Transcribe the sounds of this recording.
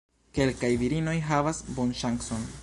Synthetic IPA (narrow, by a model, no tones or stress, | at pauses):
ke̞lkajviɾino̞jɦavasbonʃaŋkso̞n